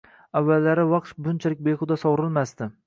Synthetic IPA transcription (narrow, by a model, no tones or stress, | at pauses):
avːalːaɾɪvɑq̚t̪bʊnt͡ʃʰalɪk̚ʲbejqʰʊd̪asɒwɾɪlmast̪ɪ